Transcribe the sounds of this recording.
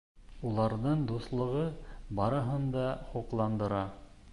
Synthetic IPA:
ulˠɑɾðɤɴd̪uslˠɤ̆ʁɤbɑɾɤ̆ɦɤnd̪ɑχuqlˠɑnd̪ɤ̆ɾɑ

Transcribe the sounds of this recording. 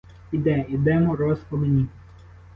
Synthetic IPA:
id̪ɛid̪ɛmɔɾɔspɔlɪnʲi

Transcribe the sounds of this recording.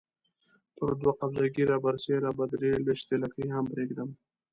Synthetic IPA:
t̪oɾd̪waqabzaɡiɾabaɾseɾabad̪ɾeleʃt̪elakijɦampɾeɡd̪əm

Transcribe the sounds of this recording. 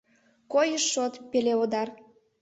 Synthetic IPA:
kojəʃːot̪peleod̪ɑr

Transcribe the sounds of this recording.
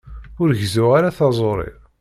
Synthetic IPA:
ʊɾʝzuʁaɾaθɑzˤoɾˤḭɾ

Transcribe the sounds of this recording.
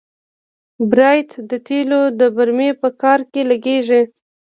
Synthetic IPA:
bɾɑjt̪d̪ət̪elod̪əbaɾmepəkɑɾkeləɡeʒi

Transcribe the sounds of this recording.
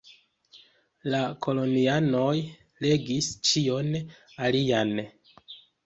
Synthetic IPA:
lakʰo̞lo̞niano̞j | le̞ɡist͡ʃio̞n | alian

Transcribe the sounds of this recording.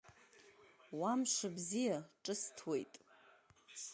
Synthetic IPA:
wamʂabzijaʈ͡ʂʼɨstʰwe̞̰jtʼ

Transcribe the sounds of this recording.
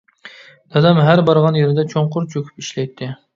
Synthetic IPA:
d̪̥ɑd̪ɛmɦæɾbɑɾʁɑnjeɾɪd̪ɛt͡ʃʰoɴqʊɾt͡ʃʰøkʲʰy̥piʃlɛjt̪ʰːɪ

